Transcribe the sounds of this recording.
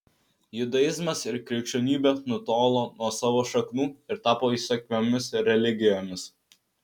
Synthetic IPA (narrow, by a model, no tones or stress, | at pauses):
jʊd̪ɐjɪzmɐsɪɾkɾʲɛɪkʃʲt͡ʃʲoːnʲiːbʲɛnʊt̪oːlˠoːnuɔsɑːʋoːʃɐknuːɪɾt̪ɑːpoːiːsɐkʲmʲomʲɪsɾʲɛlʲɪɡʲɪjoːmʲɪs